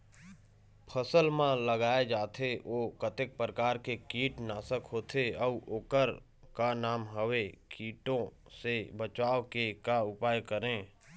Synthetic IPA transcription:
pʰəsəlmãləɡaːed͡ʒaːt̪ʰeʔoːkət̪ɪk̚pɾəkaːɾkekiːʈnaːsəkɦoːt̪ʰeɔʔoːkəɾ | kanaːmɦəʋekiːʈõ | sebət͡ʃaːʋkekaʊpaːjkəɾẽː

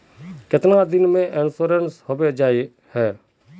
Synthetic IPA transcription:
kɪt̪nad̪ɪnmẽʔɪnsuːɾenshoːbed͡ʒaːi | hɛː

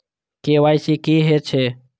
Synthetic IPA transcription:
keːʋaːjsiːkiːɦeːt͡ʃʰeː

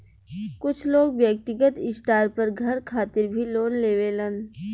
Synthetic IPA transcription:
kʊt͡ʃʰloːɡʋjək̚t̪ɪɡət̪ɪsʈaːɾpɐɾɡʱɐɾkʰaːt̪ɪɾbʱiloːnleːʋeːlən

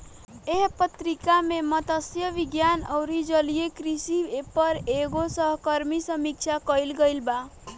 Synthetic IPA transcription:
eɦpət̪ɾikamemʌt̪əsjəʋiɡjanəwɾid͡ʒəlijekɾisiepəɾeɡosʌɦkəɾmisəmik̚t͡ʃʰakəjlɡəjlba

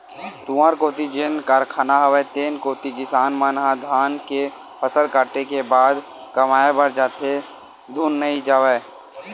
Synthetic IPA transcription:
t̪uaːɾkoːt̪id͡ʒenkaːɾkʰaːnaɦɐʋeːt̪eːnkoːt̪ikɪsaːnmaːnɦãd̪ʱaːnke | pʰəsəlkaːʈekebaːd̪ | kɐmaːebɐɾd͡ʒaːt̪ʰe | d̪ʱuːnːəɦid͡ʒaːʋeː

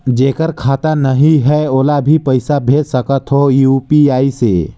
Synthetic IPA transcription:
d͡ʒeːkəɾkʰaːt̪anəɦiɦəolabʱipəɪsabʱetsəkət̪ɦojupiaːise

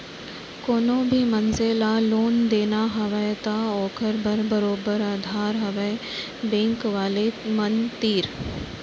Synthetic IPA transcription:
koːnoːbʱimɐnzelaloːnd̪eːnaɦɐʋəjt̪aɔːkʰəɾbʱəɾbəɾoːbəɾaːd̪ʱaːɾɦɐʋə | bẽːŋkʋaːlemɐnt̪iːɾ

